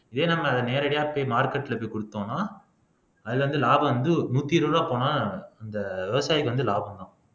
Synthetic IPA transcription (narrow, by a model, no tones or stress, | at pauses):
ɪðeːnɐmːɐɐðɐneːɾɐɽɐjaːpoːjmaːɾkɐʈːɪlɐpoːjkʊɽɯt̪ːõːnaː | ɐðɪlʋɐnd̪ɯlaːbɐ̃ʋɐnd̪ɯnuːt̪ːiɾɯɾaːpːoːnaːɐnd̪ɐʋɛʋɐsaːjɪkːɯʋɐnd̪ɯlaːbɐ̃md̪ãː